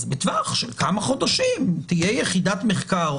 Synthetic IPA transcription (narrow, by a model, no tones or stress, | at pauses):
zbet̪vaχʃelkamaχo̞d̪aʃimt̪ijejeχidat̪meχkaʁ